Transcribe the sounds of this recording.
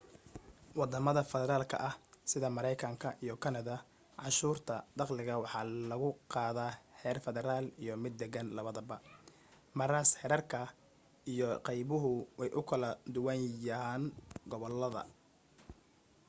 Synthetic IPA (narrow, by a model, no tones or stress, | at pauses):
wɑd̪ɐmɐðɐfɛðɛɾaːlkʰɐ̰ʔɐhsɪðɐmɐɾɛjkʰɐŋkʰɐʔijɞkʰɐnɐðɐ | ʕɑʃuːrt̪ʰɐd̪ɑqlɪɣɐwɑħɑːlɐɣʊqɑːðaːhɛːrfɛðɛɾaːlijɔmɪd̪ːɛɣɐnlɐβɐðɐbɐ | mɐɾaːshɛɾɐrkʰɐ | ijɔqɑjβʊɦʊwɛjʔʊkʰɐlɐd̪ʊwɑnjɐɦaːnɡɔβɔlːɐðɐ̰